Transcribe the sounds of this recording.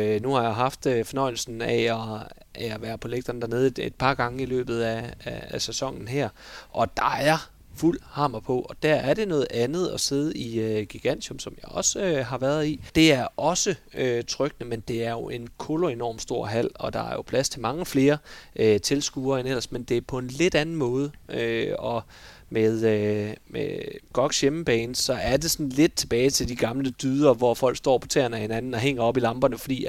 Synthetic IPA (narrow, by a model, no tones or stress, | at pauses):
nuhɑ̈jɑɦɑ̈fd̥øfɒ̽nɒ̽ɪ̰l̩sn̩æɒ | ææʋæːɐpʰo̝leɡ̥̚d̥ɐnəd̥æɐne̝ːð̞̩ˠed̥̚pʰɑ̈ɡ̥ɑ̈ŋəilø̰ːb̥ð̞̩ˠæææsæsɒ̽ŋ̰n̩ɦæɐ̰ʔɒ̽d̥ɑ̈æɐ | ful̰hɑ̈ːmɐpʰɔ̽ʔɒ̽d̥æɐ̰æɐɾe̝nɔ̽ːð̩ˠænð̞̩ˠɒ̽se̝ðˠiøɡ̥iɡ̥æn̰dʰɔ̽msɒ̽mjɑ̈ɒ̽søɦɑ̈ʋæːɐðˠid̥e̝æɐʔɒ̽səøt͡sʰʁœɡ̥ənəmend̥e̝æɐjo̝ʔe̝nkʰoloe̝nɒ̰ːmd̥sd̥o̝ɐ̰ɦæl̰ɒ̽d̥ɑ̈æɐjo̝pʰlæst͡sʰe̝mɑ̈ŋəfle̝ːɐʔøt͡sʰe̝lsɡ̥uːɐenel̰ɐsmend̥e̝æɐpʰɒ̽e̝nle̝d̥ænn̩mɔ̽ːð̞ˠəʔøɒ̽ | með̞ˠømeɡ̥ɒ̽ɡ̥sjeməb̥ɛːnsɒ̽æɐd̥e̝sɒ̽nle̝d̥̚t͡sʰe̝b̥ɛːɪt͡sʰe̝ld̥iɡ̥ɑ̈mləd̥yðˠɐʋɒfɒ̽l̰ɡ̥sd̥ɒ̰ːpʰɒ̽t͡sʰeːɐnæhe̝nænn̩ɒ̽ɦeŋ̰ɐɒ̽b̥ilɑ̈mb̥ɐnəfɒd̥ḭː